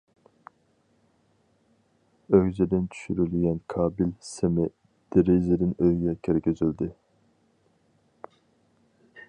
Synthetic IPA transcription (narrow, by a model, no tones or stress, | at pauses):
øɡzɪd̪ɪnt͡ʃʰy̥ʃyɾylɡʲɛnkʰɑːbilsemɪ | d̪̥ɪɾizɪd̪ɪnøjɡʲɛkʲʰeɾɪkʲøzyld̪ɪ